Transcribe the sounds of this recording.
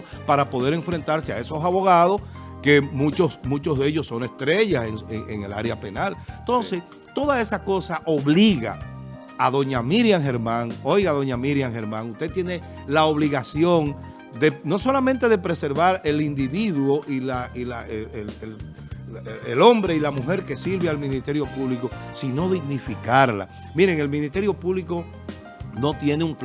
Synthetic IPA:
paɾapo̞ð̞e̞ɾe̞ɱfɾe̞nt̪aɾsea̰e̞so̞saβo̞ɣað̞o̞ske̞mũt͡ʃosmũt͡ʃozðe̞ʝo̞sːo̞ŋe̞st̪ɾe̞ʝaseŋeŋeŋe̞la̰ɾeape̞nalnt̪o̞nse̞s | t̪o̞ðae̞sako̞saʔo̞βliɣa̰ | aðo̞ɲamiɾjaŋxe̞ɾmãŋo̞jɣaðo̞ɲamiɾjaŋxe̞ɾmãŋust̪e̞t̪jene̞ | laoβ̞liɣasjo̞ŋ | d̪e̞no̞so̞lamẽnt̪e̞ðe̞pɾe̞se̞ɾβaɾe̞lind̪iβiðwoʔilailaeell | elo̞mbɾe̞ilamuxe̞ɾke̞siɾβealmĩnist̪e̞ɾjo̞puβliko̞sino̞ðiɣnifikaɾla̰ | miɾe̞ŋe̞lmĩnist̪e̞ɾjo̞puβliko̞ | no̞t̪je̞neuŋp

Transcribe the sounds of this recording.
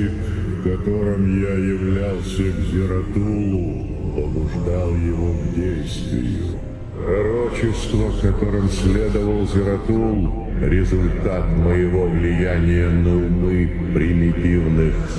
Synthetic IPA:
t̪ | kɐt̪o̞ɾɨmjajɪvlʲalˠsʲəɡzʲɪɾɐt̪ulˠʊ | pəbʊʐd̪alˠjɪvovdʲejst̪vʲɪ̰jʊ̰ | pɾɐɾo̞t͡ɕɪst̪vəkɐt̪o̞ɾɨmsʲlʲed̪əvəlˠzʲɪɾɐt̪ulˠ | ɾʲɪzʊlʲt̪at̪məjɪvo̞vlʲɪjænʲɪjənəʊmɨ | pɾʲɪmʲɪtʲivnɨx

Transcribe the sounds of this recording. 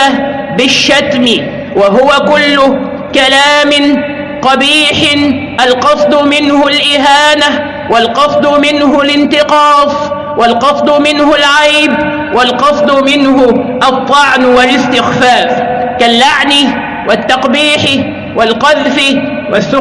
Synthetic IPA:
a | bɪʃːat̪mɪ | waɦʊwakʊlːʊ | kalaːmɪ | q̪ɑbiːħʔalqɑsˤd̪ʊmɪnhʊlʔɪɦaːna | walqɑsˤd̪ʊmɪnɦʊlɪnt̪ɪqɑːsˤ | walqɑsˤd̪ˤʊmɪnhʊlʕajb | walqɑsˤd̪ʊmɪnɦʊʔɑt̪ˤːɑʕnwalɪst̪ɪxfaːfkalːaʕnɪ | wʔat̪ːɑqbiːħɪ | walqɑðfɪ | wasːʊ

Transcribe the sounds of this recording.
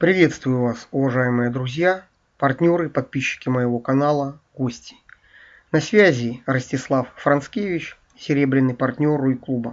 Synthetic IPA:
pɾʲɪvʲe̞t̪st̪vʊjʊvasʊvɐʐajɪmɨjəd̪ɾʊzʲja | pɐrtʲnʲo̞ɾɨpɐt̪̚pʲiɕːɪ̥kʲɪməjɪvo̞kɐnalˠəɡosʲtʲɪ̥ | nɐsʲvʲæzʲɪrəsʲtʲɪslˠafːɾɐnskʲevʲɪt͡ɕ | sʲɪɾʲe̞bɾʲɪnːɨjpɐrtʲnʲo̞ɾʊiklˠubə

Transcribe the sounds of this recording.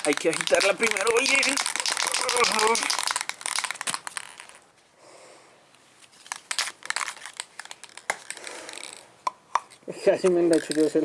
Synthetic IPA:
ajkeaxit̪aɾlapɾimeɾooʎiɾ | kasimẽnd̪at͡ʃʰut̪ose

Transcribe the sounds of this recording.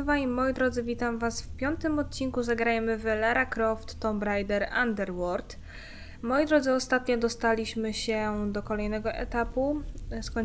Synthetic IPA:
vaɲimɔjid̪ɾɔd̪zɘvʲit̪amvasfpʲjɔnt̪ɘmɔt̪̚t͡ɕiŋkuzaɡɾajmɘvɛlaɾakɾɔft̪ːɔmbɾajd̪ɛɾand̪ɛɾwɔɾt̪ | mɔjid̪ɾɔd̪zɘɔst̪at̪ɲɔd̪ɔst̪alʲiɕmɘɕɛd̪ɔkɔlɛjnɛɡɔʔɛt̪apuskɔ

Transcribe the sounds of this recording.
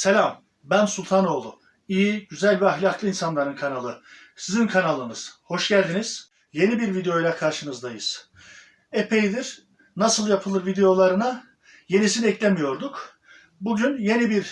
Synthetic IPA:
selʲam | bænsulʲt̪ʰano̞ːlˠu | ijiɟyzælʲvɛaxlʲaklˠɯinsanlˠaɾɯnkʰanalˠɯ | sizinkʰanalˠɯnɯz̥ho̞ʃɟælʲd̪iniz̥ | je̞nibiɾvid̪ejo̞jlʲˠakʰaɾʃɯnɯzd̪ajɯz̥ | epʰe̞jd̪iɾ̥ | nasɯlˠjapʰɯlˠɯɾvid̪e̞jo̞lˠaɾɯna | je̞nisinɛclʲemijo̞ɾd̪uk | buɟynje̞nibiɾ

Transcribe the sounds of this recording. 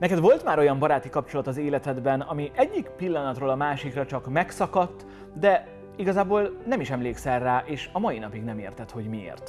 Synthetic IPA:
nɛkɛd̪vo̞lt̪maːɾo̞jɒmbɒɾaːt̪ikɒpt͡ʃo̞lɒt̪ɒzeːlɛt̪ɛd̪bɛnɒmiʔɛɟːikpilːɒnɒt̪roːlɒmaːʃikrɒt͡ʃɒkmɛksɒkɒt̪ː | d̪ɛ | iɡɒzaːboːlnɛmiʃɛmleːksɛlraːʔeːʃɒmɒjinɒpiɡnɛmḛːrt̪ɛt̪ho̞ɟmiḛːrt̪

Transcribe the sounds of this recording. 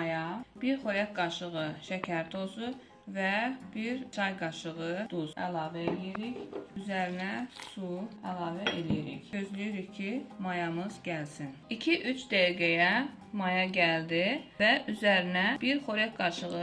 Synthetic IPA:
mɑjɑb̥iɾχoɾɛk̚ɡɑʃɯɣɯʃæcʰæɾt̪ʰo̞zu | vɛbiɾt͡ʃʰɑjɡɑʃɯɣɯd̪uzæ̰lˠɑːvæelijiɾiçyzæɾinɛsuælˠɑːvæʔelijiɾḭçø̞zlijiɾiçkʰimɑjɑmɯz̥ɟælsinicʰiʔyt͡ʃd̪æjɡʲæjɛ | mɑjɑɟʲæld̪ivɛyzæɾinæb̥iɾχo̞ɾæk̚ɡɑʃɯɣɯ

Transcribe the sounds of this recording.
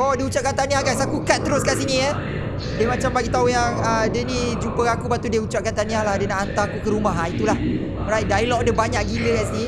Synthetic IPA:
odiəut͡ʃaʔkant̪aniahɡasakukat̪̚t̪əɾʊskaʔsinĩə | dəmat͡ʃambaɡit̪aujaŋədənid͡ʒumpəakupat̪uldiəut͡ʃaʔ̚kant̪aniahladənaʔant̪akukəɾumaɦait̪ulah | ɔɾajt̪̚dailɔk̚dəbaɲaʔɡiləkasni

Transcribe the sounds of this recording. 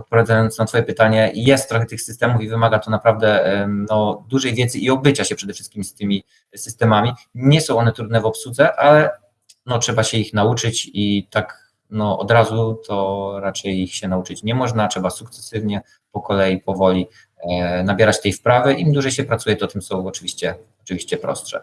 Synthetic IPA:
ɔt̪̚pɔvʲjad̪ajɔnt̪snat̪fɔjɛpɘt̪aɲɛjɛst̪̚ːɾɔxɛt̪ɘxsɘst̪ɛmufivɘmaɡat̪ɔnapɾavd̪ɛnɔd̪uʐɛjvʲjɛd̪zɘʔiɔbɘt͡ɕaɕɛpʂɛd̪ɛfʂɘst̪̚kʲimst̪ʲɘmʲi | sɘst̪ɛmamʲi | ɲɛsɔ̃w̃ɔnɛt̪ɾud̪nɛvɔpsud̪zɛʔalɛ | nɔtʂɛbaɕɛixnaut͡ʂɘt͡ɕit̪ak | nɔʔɔ̰d̪ɾazut̪ʰɔɾat͡ʂɛjixɕɛnaut͡ʂɘt͡ɕɲɛmɔʐnatʂɛbasukt̪sɛ̥sɘvɲɛ | pɔkɔlɛjipɔvɔlʲi | nabʲjɛɾat͡ɕt̪ɛjfpɾavɘʔimd̪uʐɛjɕɛpɾat̪sujɛt̪ɔt̪ɘmsɔ̃w̃ɔt͡ʂɘvʲiɕt͡ɕɛɔt͡ʂɘvʲiɕt͡ɕɛpɾɔ̰stʂɛ̰

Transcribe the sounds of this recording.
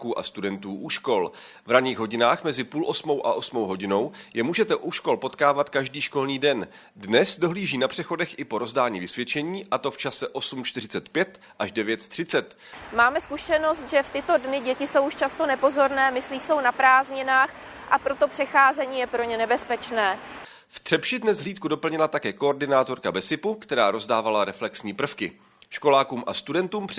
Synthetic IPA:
kuːʔa̰st̪udɛnt̪uːʔuʃko̞l | vɾaɲiːɣɦo̞ɟɪnaːxmɛzɪpuːlʔo̞smo̞wʔa̰ʔo̞smowɦo̞ɟɪno̞wjɛmuːʒɛt̪ɛʔuʃko̞lpo̞t̪kaːvat̪kaʒdiːʃko̞lniːdɛn | dnɛsdo̞ɦliːʒiːnapr̝̥ɛxo̞dɛxʔɪpo̞ɾo̞zdaːɲḭːvɪsvjɛt͡ʃɛɲiːʔat̪o̞ft͡ʃasɛʔo̞sumt͡ʃt̪ɪr̝ɪt͡sɛt̪pjɛt̪ | ʔaʒdɛvjɛt̪t̪r̥ɪt͡sɛt̪maːmɛskuʃɛno̞st̪ʒɛft̪ɪt̪o̞dnɪɟɛcɪso̞wʔuʃt͡ʃast̪o̞nɛpo̞zo̞ɾnɛːmɪsliːso̞wnapɾaːzɲɪnaːx | ʔapɾo̞t̪o̞pr̥ɛxaːzɛɲiːjɛpɾo̞ɲɛnɛbɛspɛt͡ʃnɛː | ft̪r̥ɛpʃɪdnɛzɦliːt̪̚kudo̞pl̩ɲɪlat̪akɛːko̞oɾdɪnaːt̪o̞ɾkabɛsɪpukt̪ɛɾaːɾo̞zdaːvalaɾɛflɛksɲiːpr̩fkɪ | ʃko̞laːkuːmʔa̰st̪udɛnt̪uːmp

